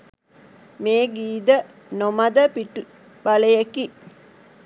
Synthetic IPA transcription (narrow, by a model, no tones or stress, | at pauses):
meːɡiːd̪ə | nomad̪əpiʈu | baləjeki